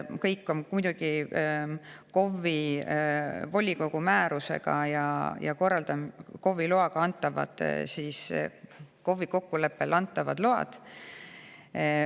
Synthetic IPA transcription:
kɤjkːo̞mmujd̪̥uɡ̥i | ko̞vːi | vo̞lʲiko̞ɡ̥umæːɾusḛɡ̥ɑ̰jɑ̰jɑ̰ko̞rːɑld̪ɑmko̞vːiloɑɡ̥ɑɑnt̪ːˑɑvɑ̰d̪̥̰siːs | ko̞vːiko̞kːule̞pːelʔɑnt̪ːˑɑvɑd̪lo̞ɑ̰d̪̥

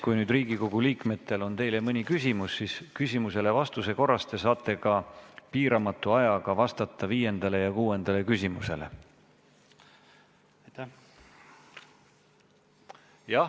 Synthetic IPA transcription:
kujnyːd̪riːɡ̥iko̞ɡ̥uliːkme̞t̪ːˑe̞lo̞nt̪e̞jle̞mɤnʲikysʲimusːiskysʲimuse̞le̞vɑst̪use̞ko̞rːɑst̪e̞sɑːt̪ʰˑːe̞kɑpiːɾɑmɑt̪ːˑuɑjɑɡ̥ɑvɑst̪ɑt̪ːˑɑviːje̞nd̪̥ɑle̞jɑkuːe̞nd̪̥ɑle̞kysʲimuse̞̰le̞̰ | jɑ

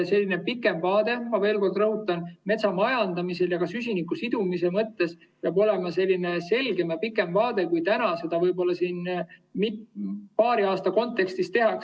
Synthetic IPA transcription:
se̞lːine̞pikːˑe̞mvɑːd̪̥e̞mɑve̞ːlko̞rd̪rɤɦut̪ːˑɑnme̞t̪sɑmɑjɑnd̪̥ɑmise̞ljɑkɑsys̬ʲinikːusid̪̥umise̞mɤt̪ːe̞s | peɑbo̞le̞mɑse̞lʲːine̞se̞lɡe̞mjɑpikːˑe̞mvɑːd̪̥e̞kujt̪ænɑse̞d̪̥ɑvɤjbo̞lːɑsiːnmit̪pɑːɾiɑːst̪ɑko̞nt̪ːˑe̞kst̪ist̪e̞ɦɑks

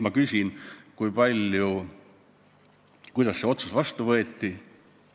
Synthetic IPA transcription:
mɑkysʲinkujpɑlʲju | kujd̪̥ɑsːeo̞t̪susvɑst̪uvɤet̪ˑːi

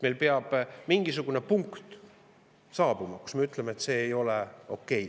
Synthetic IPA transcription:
melpeɑb̥miŋɡ̥isuɡ̥une̞puŋkt̪ | sɑːb̥umɑku̥sme̞yt̪ˑlemeːt̪se̞ːjo̞le̞o̞kːe̞j

